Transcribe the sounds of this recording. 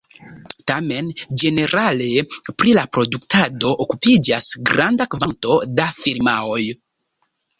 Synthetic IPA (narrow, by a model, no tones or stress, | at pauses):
tame̞nd͡ʒe̞ne̞ɾale̞pɾilapɾo̞duktado̞ʔokupid͡ʒasɡɾandakvanto̞dafiɾmao̞j